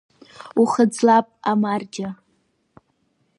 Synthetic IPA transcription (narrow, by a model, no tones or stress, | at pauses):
uχəd͡zlapʼamard͡ʒa